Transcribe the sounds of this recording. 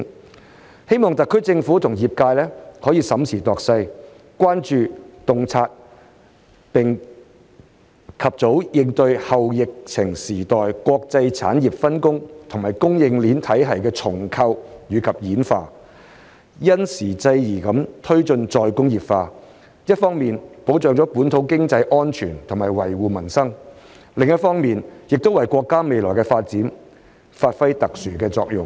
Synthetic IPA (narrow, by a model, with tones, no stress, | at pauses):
he˥jmɔː˨ŋt̪ɐ˨˩kʰːɵ˥ɥt͡sɪ˧ŋfu˨˥t̪ʰʊ˨˩ŋjiː˨˩p̚kaː˧jlɛː˥hɔː˨˥jiː˨˧sɐ˨˥msʰiː˨˩t̪ɔː˨k̚sɐ˧j | kʷaː˥nt͡ʃyː˨t̪ʊ˨˧ŋt͡sʰaː˧t̚ | pɪ˨ŋ | kʰɐ˨p̚t͡so˨˥wjɪ˧ŋt̪ɵ˧ɥhɐ˨wjɪ˨k̚t͡sʰɪ˨˩ŋsiː˨˩t̪ɔː˨jkʷɔː˧k̚t͡sɐ˧jt͡sʰa̰ː˨˥njiː˨p̚fɐ˥nkʊ˥ŋt̪ʰʊ˨˩ŋmaː˨˩jkʊ˥ŋjɪ˧ŋliː˨˥nt̪ʰɐ˨˥jɦɐ˨jkɛː˧t͡sʰʊ˨˩ŋkʰɐ˧wjyː˨˧kʰɐ˨p̚jiː˨˥nfaː˧ | jɐ˥nsiː˨˩t͡sɐ˧jjiː˨˩kɐ˨˥mt̪ʰɵ˥ɥt͡ʃɵ˧nt͡sɔː˧jkʊ˥ŋjiː˨˩pfaː˧ | jɐ˥t̚fɔː˥ŋmiː˨npo˨˥wt͡sœː˨ŋt͡sɔː˨˥puː˨˥nt̪ʰo˨˥wkɪ˥ŋt͡sɐ˧jʔɔː˥nt͡ʃʰyː˨˩nt̪ʰʊ˨˩maː˨˩jwɐ˨˩jwuː˨mɐ˨˩nsɐ˥ŋ | lɪ˨ŋjɐ˥t̚fɔː˥ŋmiː˨njɪ˨k̚t̪o˥wɐ˨jkʷɔː˧kːaː˥me˨jlɔː˨˩jkɛː˧faː˧t̚t͡siː˨˥n | faː˧t̚fɐ˥jt̪ɐ˨k̚syː˨˩kɛː˧t͡sɔː˧k̚jʊ˨ŋ